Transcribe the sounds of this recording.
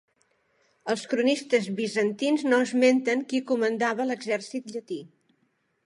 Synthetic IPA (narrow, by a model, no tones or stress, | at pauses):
əlˠskɾunist̪əzβizənt̪inznoəzment̪əŋkikumənd̪aβələɡzɛrsit̪ʎət̪i